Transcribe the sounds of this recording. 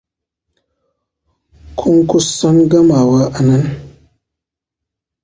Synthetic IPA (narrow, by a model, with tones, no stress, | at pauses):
kʰu˦ŋku˦sa˦nɡa˦ma˨wa˦ʔa˨na˦n